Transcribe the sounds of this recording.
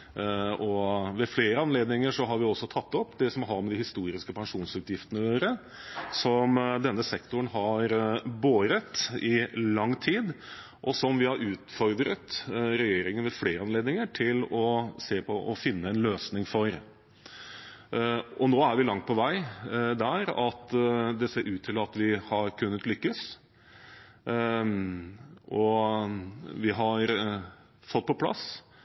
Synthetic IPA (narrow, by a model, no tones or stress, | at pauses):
ʔɔʋɛfleːɾəɑnleːd̪nɪŋəʂɔɦɑɾʋɪɔsːɔt̪ʰɑt̪ːɔpːd̪ɛsɔmɦɑɾmɛd̪ɪhɪst̪uːɾɪskəpʰɛŋʂuːnsʉːt̪jɪft̪ənəjøːɾə | sɔmd̪ɛnːəsɛkt̪ʊɳɦɑɾboːɾət̪ɪlɑŋːt̪ʰiːd̪ | ʔɔsɔmʋɪhɑɾʉːt̪fɔɾd̪ɾət̪ɾɛjeːɾɪŋənʋɛfleːɾəɑnleːd̪nɪŋəʈʰɪlɔseːpʰɔʔɔfɪnːəɛnløːsnɪŋfɔɾ | ʔɔnoːæɾʋɪlɑŋt̪̚pʰɔʋæɪd̪æɾɑt̪d̪ɛseːɾʉːt̪ʰːɪlɑt̪ʋɪhɑɾkʰʉnːət̪lʏkːəs | ʔɔ | ʋɪɦɑɾ | fɔt̪̚ːpʰɔpʰlɑ̰s